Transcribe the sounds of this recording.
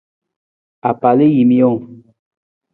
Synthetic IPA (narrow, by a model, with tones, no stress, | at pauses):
a˨pa˨le˦ji˨m˦ɔ˦˨ŋ